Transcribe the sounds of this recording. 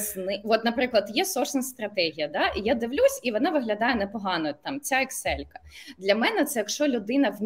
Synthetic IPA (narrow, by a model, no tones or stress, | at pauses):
znɪʋɔt̪nɐpɾɪklˠɐd̪jɛsɔsnɐst̪ɾɐt̪ɛɦʲijɐd̪ɑʔijad̪ɪʋlʲusʲiʋɔnɑʋɪɦlʲɐd̪ɑjɛnɛpɔɦɑnɔt̪ːɑmt͡sʲaɛksɛlʲkɐ̥d̪lʲɐmɛnɛt̪sɛjɐkʃt͡ʃɔlʲʊd̪ɪnɐʋʲ